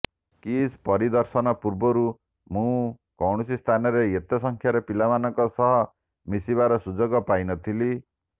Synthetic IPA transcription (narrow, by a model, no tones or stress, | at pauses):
kispɔɾid̪ɔɾsɔnɔpuɾbɔɾu | mũ | kɔwɽ̃usist̪ʰanɔɾeet̪ɔsɔŋkʰjaɾepilamanɔŋkɔsɔɦɔ | misibaɾɔsud͡ʒɔɡɔpajnɔt̪ʰili